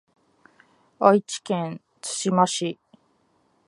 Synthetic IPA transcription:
ait͡ɕi̥kẽn | t͡sɨ̥ɕimaɕi

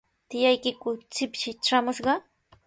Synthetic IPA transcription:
t̪ɪjajkɪkʊt͡sɪpʃɪʈ͡ʂamʊʃɢɑ

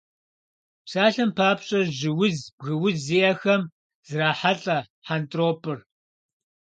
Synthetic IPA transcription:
psaːɬɐmpʰaːpɕʼɐʒɪwʊzb̥ɣɨwʊzzijɐxɐm | z̥ɨraːħaɬʼɐ | ħantʼroːpʰʼɨr

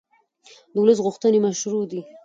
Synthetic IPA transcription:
d̪əwləs̬ɣʊxt̪ənemaʃɾud̪i

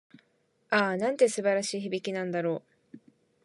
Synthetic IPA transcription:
aːnãnt̪e̞sɨbaɾaɕiːçibʲikʲinãnd̪aɾo̞ː

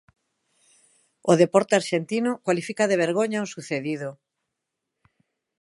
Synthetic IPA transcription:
oðepɔɾt̪eaɾʃent̪inokwalifikaðeβeɾɣ̞oɲaosuθeðiðo

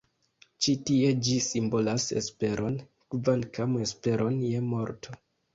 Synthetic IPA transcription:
t͡ʃitie̞d͡ʒisimbo̞lasḛspe̞ɾʔo̞n | kvankame̞spe̞ɾʔo̞njemo̞ɾtʰo

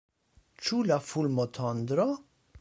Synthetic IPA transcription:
t͡ʃulafulmot̪ʰɔnd̪ɾo

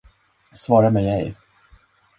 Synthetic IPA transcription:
svɑːɾamɛjɛj

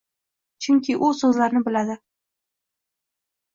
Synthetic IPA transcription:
t͡ʃʰʊŋkʲɪʔʊsɵzlaɾnɪbɪlad̪ɪ

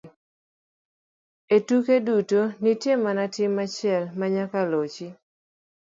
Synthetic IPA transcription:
etukedutonitjemanatɪmat͡ʃɪɛlmaɲakalot͡ʃi

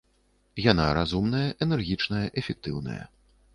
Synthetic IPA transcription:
janaɾazumn̪ɐjɐʔɛnɛrɣʲit͡ʂnɐjɐʔɛfʲɛk̚t̪ɨwnɐ̰jɐ̰

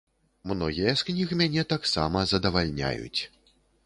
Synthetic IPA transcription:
mnɔɣʲijɐsknʲixmʲanʲɛt̪aksamɐzɐd̪ɐvalʲnʲa̰jṵt͡sʲ

